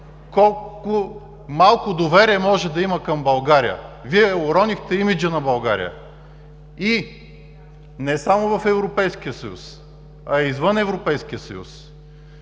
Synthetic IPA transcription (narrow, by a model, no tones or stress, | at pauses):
kɔlˠkʊ | malˠkʊd̪ovɛɾiɛmɔʒɛd̪ɐimɐkɐmbɐlˠɡaɾiə̰viɛʊɾɔnixt̪ɛimid͡ʒənɐbɐlˠɡaɾḭə̰ | i | nɛsamʊvɐfɛvɾopɛjsk̟iəsəjṵs | ɐɛizvɤnɛvɾopɛjskʲiəsə̰jṵs